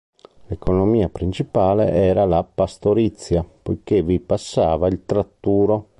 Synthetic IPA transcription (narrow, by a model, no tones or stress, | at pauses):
lekonomiːapɾint͡ʃipaːlḛʔɛːɾalapast̪oɾit̪sːjapojk̟evipasːaːvailt̪ɾat̪ːuːɾo